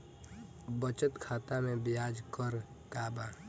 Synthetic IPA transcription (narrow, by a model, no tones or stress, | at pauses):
bət͡ʃət̪kʰaːt̪amẽbɪjaːd͡ʒkəɾ | kaːbaː